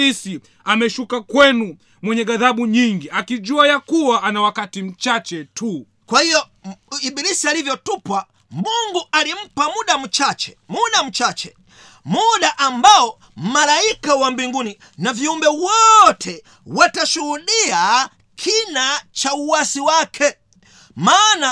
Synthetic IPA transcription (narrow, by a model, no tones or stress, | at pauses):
isi | amɛʃukakwɛnu | mwɛɲɛɡaðaɓuɲiŋɡiakiʄuajakuwaʔanawakatim̩t͡ʃat͡ʃɛtu | kwahijɔ | iɓilisialivjɔtupwa | mbuŋɡualim̩pamuɗam̩t͡ʃat͡ʃɛ | muɗam̩t͡ʃat͡ʃɛ | muɗaʔambaɔ | m̩malaikawambiŋɡuni | naviumbɛwɔtʰɛ | wataʃuhuɗia | kʰinat͡ʃauwasiwakʰɛ | maːna